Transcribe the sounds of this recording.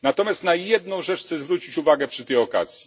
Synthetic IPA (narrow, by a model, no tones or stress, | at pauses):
nat̪ɔmʲjast̪najɛd̪̚nɔ̃w̃ʐɛt͡ʂxt̪sɛzvɾut͡ɕit͡ɕuvaɡɛpʂɘt̪ɛjɔka̰z̥ʲji